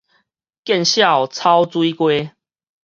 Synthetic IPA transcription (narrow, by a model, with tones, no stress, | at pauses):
kjɛ˥˨nɕja˥˨wt͡sʰa˦wt͡swi˦kwe˦